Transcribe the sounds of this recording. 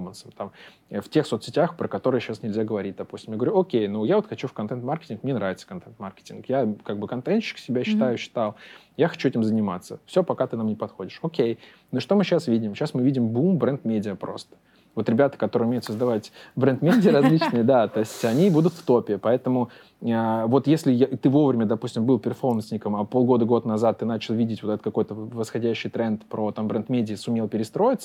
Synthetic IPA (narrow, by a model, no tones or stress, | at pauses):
mənsəmt̪am | əftʲe̞xso̞t̪sʲɪtʲaxpɾəkɐt̪o̞ɾɨjəɕasnʲɪlʲzʲaɡəvɐɾʲit̚ʲd̪ɐpu̥sʲtʲɪmjaɡəvɐɾʲuokʲejnujavot̪xɐt͡ɕufkɐnt̪ɛnt̪markʲɪ̥tʲɪnkmɲʲenɾavɪt̪sə̥kɐnt̪ɛnt̪markʲɪ̥tʲɪnkjakaɡ̚bɨkɐnt̪ɛnt̪ɕːɪ̥ksʲɪbʲaɕːɪt̪ajʊɕːɪ̥t̪alˠ | jaxɐt͡ɕuɛtʲɪmzənʲɪmat̪səfsʲo̞pɐkat̪ɨnamnʲɪpɐt̪xo̞dʲɪʂokʲej | noʂt̪o̞mɨɕasvʲidʲɪmɕasmɨvʲidʲɪmbumbɾɛnd̪mʲedʲɪəpɾo̞̰st̪ə̥ | vo̞t̪ɾʲɪbʲat̪ə̥kɐt̪oɾɨjʊmʲejʊt̪səzd̪ɐvatʲbɾɛnt̪mʲedʲɪəɾɐzʲlʲit͡ɕnɨjəd̪at̪o̞ɪsʲtʲɐnʲibud̪ʊt̪ft̪o̞pʲɪpɐɛt̪əmʊ | əvo̞t̪jesʲlʲɪjat̪ɨvo̞vɾʲɪmʲəd̪ɐpusʲtʲɪmbɨlˠpʲɪrfo̞rmənsʲnʲɪkəmɐpo̞lˠɡo̞d̪əɡo̞t̪nɐzat̪ːɨnat͡ɕɪlˠvʲidʲɪtʲvoɛt̪ət̪kɐko̞jt̪əvəsxɐdʲæɕːɪjt̪ɾɛnt̪pɾot̪ambɾɛnt̪mʲedʲɪəsʊmʲelˠpʲɪɾʲɪst̪ɾo̞jɪt̪sə